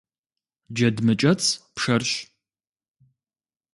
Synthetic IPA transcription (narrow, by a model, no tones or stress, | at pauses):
d͡ʒɐdmɨt͡ʃʼɐt͡sʰʼpʂɐrʃ